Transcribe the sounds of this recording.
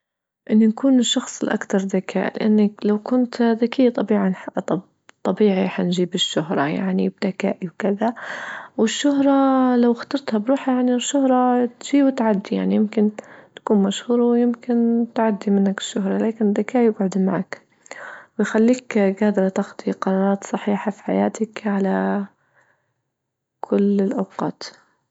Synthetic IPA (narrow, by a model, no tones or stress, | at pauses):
ʔɪnːnakuːnɪʃːɑxsˤɪlʔa̰kt̪ɑɾˤðakʰa̰ːʔlɪ̰ʔanːaklawkʊnt̪ðakʰijːat̪ˤɑbiːʕanħt̪ˤ | t̪ˤːɑbiːʕiħand͡ʒiːbɪʃːʊɦɾˤɑja̰ʕnib̚d̪aka̰ːʔiwkɪðawɪʃːʊɦɾˤɑlawxt̪ɑɾˤt̪habɾuːħajaʕniʃːʊhɾˤɑt̪ʒiːbt̪ʕad̪ːija̰ʕnijɪmkɪnt̪ḁkuːnmaʃhuːɾˤwjɪmkɪnt̪ʕad̪ːimɪnːakɪ̥ʃːʊɦɾˤɑlaːkɪnɪd̪ːakaːʔjɪbʕʊd̪maʕak | wɪjxalːiːkɡaːd̪ɾˤɑt̪ɪxd̪ˤiqɑɾˤɑːɾˤɑːt̪sˤɑħiːħafi̥ħajaːt̪ɪkʕala | kʰʊlɪlʔawqɑ̰ːt̪